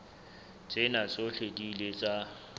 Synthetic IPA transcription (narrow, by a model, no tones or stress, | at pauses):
t͡sʼɪnat͡sʼoɬedilet͡sʼa